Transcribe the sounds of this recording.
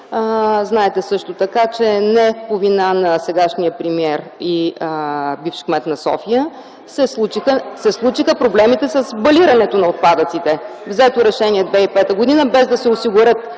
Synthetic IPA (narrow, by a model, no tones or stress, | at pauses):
znaɛt̪ɛsɤʃt̪ot̪ɐkat͡ʃɛnɛpovinanɐsɛɡaʃnijəpɾimiɛɾi | bifʃkmɛt̪nɐsɔ̰fijə | sɛsˠut͡ʃixəsɛslˠut͡ʃixəpɾoblɛmit̪ɛsəsbɐliɾɐnɛt̪onɐot̪̚pad̪ət̪sit̪ɛvzɛt̪oɾɛʃɛniɛd̪vɛipɛt̪əɡod̪inəbɛzd̪ɐsɛosiɡʊɾɤt̪̚